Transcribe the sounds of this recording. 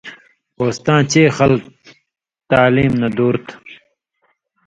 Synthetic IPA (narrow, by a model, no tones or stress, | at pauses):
oːst̪ãːt͡ɕeːxɐlk̚ | t̪aːliːmnɐd̪uːɾt̪ʰ